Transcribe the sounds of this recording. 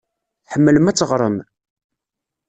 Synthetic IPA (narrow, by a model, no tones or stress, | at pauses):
θħəmːələmæt͡sːəʁɾˤəm